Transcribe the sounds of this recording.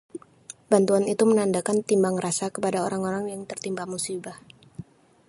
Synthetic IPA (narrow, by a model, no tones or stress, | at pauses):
bant̪uanit̪umənandakant̪imbaŋrasakəpadaoɾaŋoɾaŋjaŋt̪ərt̪imbahmusibah